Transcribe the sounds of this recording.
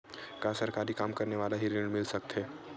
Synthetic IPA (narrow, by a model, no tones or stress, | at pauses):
kaːsɐɾkaːɾikaːmkɐɾneʋaːlaɦiɾeɽ̃mɪlsɐk̚t̪ɦɛː